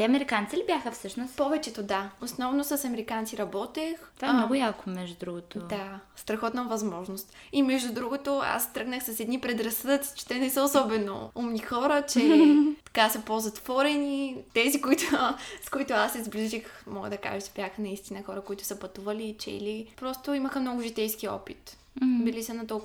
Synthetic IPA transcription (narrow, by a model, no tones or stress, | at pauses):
t̪ɛɐmɛɾikant̪silibʲjaxəfsɤʃnʊspɔvɛt͡ʃɛt̪od̪aosnɔvnosɐsɐmɛɾikant̪siɾɐbɔt̪ɛxt̪vaɛmnɔɡʊjakomɛʒd̪ud̪ɾuɡʊt̪od̪ast̪ɾɐxɔt̪nəvɐzmɔʒnost̪ | imɛʒd̪ud̪ɾuɡot̪oa̰st̪ɾɤɡnəxsɐsɛd̪nipɾɛd̪ɾɐsəd̪ət̪si̥t͡ʃɛ̥t̪ɛnɛsəosɔbɛno̰umnixɔɾət͡ʃɛtt̪ɐ̥kasɐpozɐt̪v̥ɔɾɛnit̪ɛzikoit̪ʊskoit̪ʊasːɛzbliʒixmɔɡəd̪ɐka̰ʒɛt͡ʃɛ̥bʲjaxnɐist̪inəxɔɾəkoit̪ʊ̥sɐpɐt̪uvɐliːt͡ʃɛ̰lipɾɔst̪ʊiməxəmnɔɡʊʒit̪ɛjskiɔ̰pit̪ | bilisənɐt̪ɔlˠk